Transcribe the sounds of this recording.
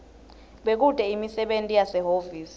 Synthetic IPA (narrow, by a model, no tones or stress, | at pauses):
ɓek̬ud̥ʱɛimisɛɓentʼijasɛɦoviːsi̥